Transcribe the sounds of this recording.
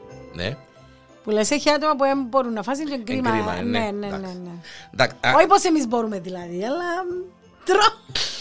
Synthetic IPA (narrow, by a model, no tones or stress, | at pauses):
nḛ | puleseçiɐt̪omɐpuemboɾunːɐfɐs̬iɲd͡ʒeŋɡɾimɐ̰nenenened̪akoiposemizboɾumeðilɐðiɐlːɐ | t̪ɾo